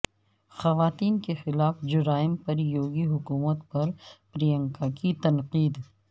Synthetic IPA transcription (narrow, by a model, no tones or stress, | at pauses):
xɐʋaːt̪iːnkexɪlaːfd͡ʒʊɾaːɪmpɐɾjoːɡiɦʊkuːmət̪pɐɾpɾijə̃ŋkakit̪ɐnqiːd̪